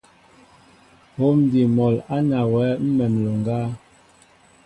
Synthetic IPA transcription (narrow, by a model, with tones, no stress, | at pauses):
ho˦mdi˨mɔ˨la˦na˨wɛ˨˦m̩˦mɛ˨mlo˨ŋ˨ɡaː˦